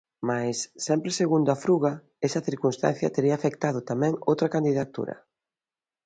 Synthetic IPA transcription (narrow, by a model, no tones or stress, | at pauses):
majsːɛmpɾeseɣund̪oafɾuɣɐ | ɛsɐθiɾkunst̪a̰nθjɐt̪eɾiaːfek̚t̪að̞ʊt̪amɛ̃ŋo̰wt̪ɾɐkand̪iðat̪ṵɾɐ̰